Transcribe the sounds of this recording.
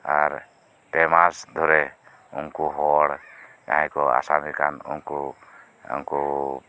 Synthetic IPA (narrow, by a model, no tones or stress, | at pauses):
aɾ | pɛmasd̪ʱɔɾɛ | uŋkuɦɔɽka̰ɦɛ̃kɔa̰samikanṵŋkṵ | nku